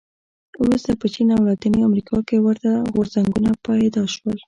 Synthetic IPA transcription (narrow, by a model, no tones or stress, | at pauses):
ɾust̪apət͡ʃinawlɑd̪əniamɾikʰɑkewəɾt̪aɣoɾzaŋɡunapɑjd̪ɑʃwəl